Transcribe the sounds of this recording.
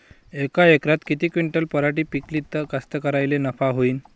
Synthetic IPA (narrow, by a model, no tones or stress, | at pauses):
ekaekɾat̪kit̪iːkʋiɳʈəlpəɾaʈiːpiklit̪əkast̪əkəɾajlenəfaɦoiːn